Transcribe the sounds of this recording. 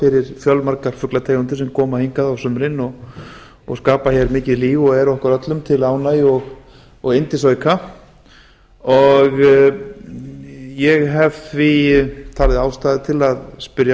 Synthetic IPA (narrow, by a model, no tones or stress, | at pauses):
ɪɾɪɾ̥fjœlmaɾkaɾ̥fʏklat̪ʰeːjɣʏnt̪ɪsɛmkʰɔːmaheŋkaðawsʏmɾɪnɔɣ | ɔ̰ɣskaːpaçjɛɾmɪːcɪðliːvɔɣɛɾɔhkaɾœt̪lʏmt̪ʰɪlaːwnajɔɣ | ɔɣɪnt̪ɪs̬oːɥkʰa | ɔɣ | jɛɣɦɛv̥θvit̪ʰaːlðɪaːwst̪aːðɪt̪ʰɪlaðspʏɾja